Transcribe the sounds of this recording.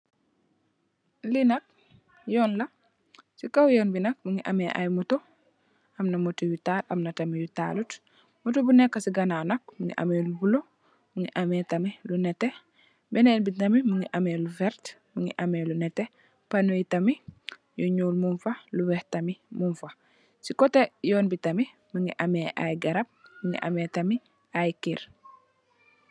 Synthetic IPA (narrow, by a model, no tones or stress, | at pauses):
linɐk̚ | jɔnlɐ | sikawjɔnbinɐk̚muŋiʔa̰mɛʔa̰jmuto | ɐmnɐmɔtujutalɐmnɐtɐmijuta̰lut | mɔtubunɛkːasiɡɐnawnɐk̚muŋɡḭʔa̰mɛlubulo | muŋiʔamɛtɐmilunɛtɛ | bɛnɛnbitɐmimuŋɡiʔamelufɛɾtmuŋḭʔamɛːlunɛtɛ | panujitɐmi | jɔɲuːlmunfaluwɛhtɐmimunfa | sikɔtɛjɔːnbitɐmi | muŋɡiʔamɛʔa̰jɡɐɾɐp̚muŋḭʔa̰metɐmi | ʔajkiɾ